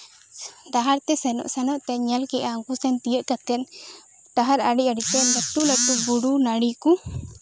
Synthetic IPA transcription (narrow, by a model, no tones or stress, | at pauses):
d̪aɦaɾt̪ɛsɛnɔ̰ʔsɛnɔʔt̪ɛɲɛlkɛʔaŋɡusɛnt̪ijəʔkat̪ɛn | ɖ̪aɦaɾaɽiaɽit̪ɛlɛʈulɛʈubuɽunaɽiku